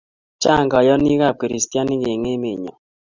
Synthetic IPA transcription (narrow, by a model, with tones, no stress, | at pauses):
t͡ʃa˦˨ŋɡɔ˨jɔ˦ni˦ɣa˦˨ki˨ɾi˨sta˦nɪ˦ɣe˨ŋe˦me˨ɲɔ˨